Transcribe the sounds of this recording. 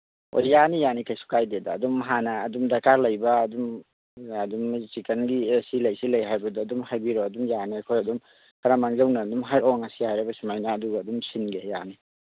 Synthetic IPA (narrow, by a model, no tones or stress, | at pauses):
o̰jjanijanikʰajsu̥kajdedaːdumɦanɐːdumdɐkaɾlɐjbɐːdum | ɐdumt͡ʃikenɡiesilɐjsilɐjɦajbɐdaːdumɦajbiɾoɐdumjanikʰojɐdum | kʰɐɾamaŋzawnɐːdumɦaɾɔŋɐsihajɾɐbɐsumajnɐːduɡaːdumsinɡeja̰ni